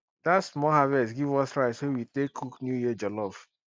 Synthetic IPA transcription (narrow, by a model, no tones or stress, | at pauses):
d̥atsmɔhavɛsɡivɔsɹaɪshowitekʰːuknjujid͡ʒɔlɔf